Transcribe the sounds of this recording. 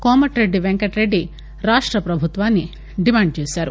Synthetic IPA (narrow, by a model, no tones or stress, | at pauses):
koːmɐʈɾeɖiʋeŋkɐʈɾeɖi | ɾaːʂʈɾɐpɾɐbʱut̪ʋaːnːi | ɖimaːɳɖ̚t͡ʃeːsaːɾu